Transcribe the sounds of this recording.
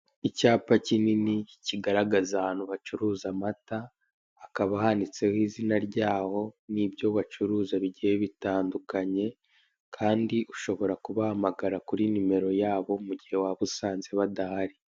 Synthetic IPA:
icaːpacininiciɡaɾaɡazaaːn̥huβat͡ʃuɾuːzamataː | kaβahandit͡se̞hiːzinaɾɟaːho̞nibjo̞βat͡ʃuɾuːzaβiɟiheβitaːndukaɲe̞ | kʰaːndiʔuʃo̞βo̞ɾakuβahamaɡaɾakuɾinime̞ɾo̞jaːβo̞muɟihe̞waβusaːnze̞βadahaɾi

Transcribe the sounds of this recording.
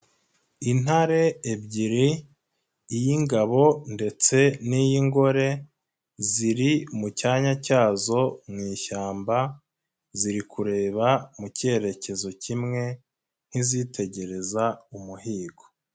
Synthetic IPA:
in̥haɾe̞ːbɟiɾiː | jiŋɡaβo̞nde̞t͡se̞nijiŋɡo̞ɾe̞ | ziɾimucaːɲacaːzo̞mŋiːʃaːmba | ziɾikuɾe̞ːβamuce̞ɾe̞ce̞zo̞cimŋe̞ | n̥hizitʰe̞ɟe̞ɾe̞zaumuhiːɡo̥

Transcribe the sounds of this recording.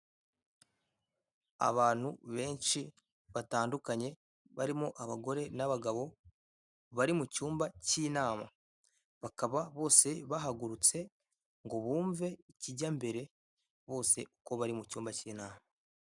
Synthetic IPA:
a̰βaːn̥huβe̞ːnʃi | βataːndukaɲe̞ | βaɾimoʔaβaɡo̞ɾe̞naβaɡaβo̞ | βaɾimucuːmbaciːnaːma | βakaβaβo̞ːse̞βaɦaɡuɾut͡se̞ | ŋɡo̞βuːɱve̞iciɟambe̞ɾe̞ | βo̞ːse̞uko̞βaɾimucuːmbaciːnaːma

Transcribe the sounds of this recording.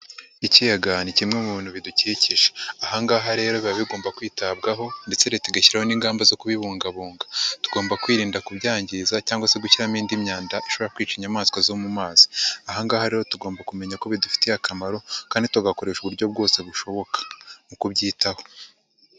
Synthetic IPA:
icijaɡanicimŋe̞muβiːn̥huβiduciciʒe̥ahaŋɡaːɦaɾe̞ːɾo̞βiɾaβiɡo̞ːmbakwiːtab̚ɡaɦo̞nde̞t͡se̞ɾetiɡaçiɾaho̞niːŋɡaːmbazo̞kuβiβuːŋɡaβuːŋɡḁtu̥ɡo̞ːmbakwiːɾiːndakubɟaːɲɟizacaːŋɡwase̞ɡuciɾamiːndimɲaːndaʔiʃo̞βoɾakwiːt͡ʃiɲamaːskwazomumaːz̥i̥aɦaŋɡaːhaɾe̞ːɾotuɡo̞ːmbakume̞ɲako̞βidufi̥tejakamaɾo̞kaːndituaɡako̞ɾe̞ːʃuβuɾjo̞bɡo̞ːse̞βuʃo̞βo̞kḁmukubɟiːtaho̞̥

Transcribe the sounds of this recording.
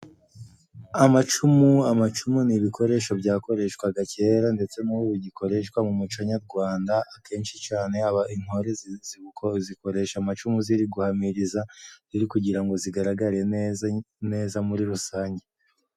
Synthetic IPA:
amat͡ʃumuamat͡ʃumuniβikʰo̞ɾe̞ʃo̞bɟaːko̞ɾe̞ʃkwaɡace̞ːɾande̞t͡se̞nuβoβuɟiko̞ɾe̞ʃkwamumut͡ʃaɲaɾɡwaːndaakʰe̞ːnʃit͡ʃaːne̞aβain̥hoɾezz̥iziko̞ɾe̞ʃamat͡ʃumuziɾiɡuhamiɾizaziɾikuɟiɾaŋɡo̞ziɡaɾaɡaɾe̞ | ne̞ːzamuɾiɾusaːɲɟe

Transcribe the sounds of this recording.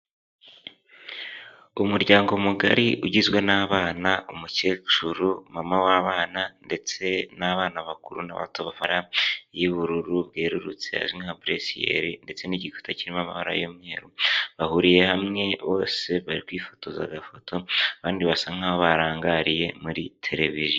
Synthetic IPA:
umuɾɟaːŋɡo̞muɡa̰ɾiʔuɟizwe̞naːβaːnaumuceːt͡ʃuɾumamawaβaːnande̞t͡se̞naβaːnaβakuɾṵna̰βa̰toβafaɾajiβuɾuɾuβɡe̞ːɾuɾut͡sḛha̰ʒimahabɾesijḛɾinde̞t͡se̞niɟikʰu̥tʰaciɾimamaβaɾa̰jomɲe̞ːɾuβahuɾije̞hamŋe̞βo̞̰ːse̞βaɾikwiːfo̞to̞za̰ɡafo̞tʰo̞aβaːndiβasaŋ̥aβoβaɾaːŋɡaɾije̞muɾitʰe̞ɾe̞vizjo

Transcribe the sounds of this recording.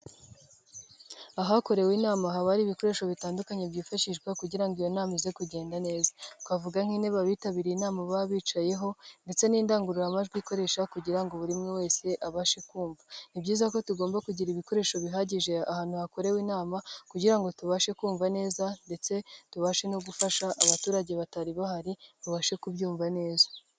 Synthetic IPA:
aɦako̞ɾe̞wiːnaːmaɦaβaɾiːβiko̞ɾe̞ːʃo̞βitaːndukaɲebɟiːfaʃiʒɡwakuɟiɾaŋɡijo̞naːmize̞kuɟe̞ːndane̞ːzatkwavuɡaŋ̥hineβaβiːtaβiɾinaːmaβaβiːt͡ʃaje̞ɦo̞nde̞t͡se̞niːndaːŋɡuɾuɾamaʒɡwiko̞ɾe̞ʃakuɟiɾaŋɡoβuɾimŋewe̞ːse̞ʔaβaʃe̞kuːɱvanibɟiːzako̞tuɡo̞ːmbakuɟiɾiβiko̞ɾe̞ːʃo̞βiɦaɟiʒe̞ahaːn̥huhako̞ɾe̞wiːnaːmakuɟiɾaŋɡo̞tuβaʃe̞kuːɱvane̞ːzande̞t͡se̞tuβaʃe̞noɡufaʃaʔːβatuːɾaɟe̞βataɾiβahaɾiβaβaːʃe̞kuβɟuːɱvane̞ːzḁ

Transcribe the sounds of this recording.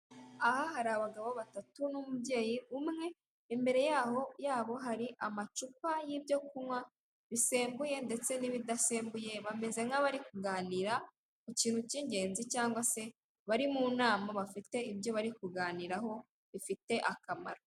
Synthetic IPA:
ahahaɾaβaɡaβoβatatunumubɟe̞ːjiumŋe̞ | imbe̞ɾe̞jaːho̞jaːβo̞ɦaɾiʔamat͡ʃupajibjo̞kumŋwa | βise̞ːmbuje̞nde̞t͡se̞niβidase̞ːmbuje̞βame̞ze̞ŋaβaɾikuɡaːniːɾa | kuciːnhuciːɲɟe̞ːnzicaːŋɡwase̞ | βaɾimuːnaːmaβafite̞ibjo̞βaɾikuɡaːniɾaɦo̞ | βifite̞ʔakama̰ɾa

